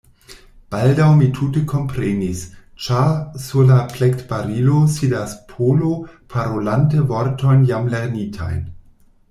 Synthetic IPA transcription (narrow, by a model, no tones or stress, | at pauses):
b̥aldawmitʰutekʰo̞mpɾenist͡ʃaɾsuɾlaflektbaɾilosidaspʰolopʰaɾolantəvoɾto̞jnjamleɾnitʰa̰jn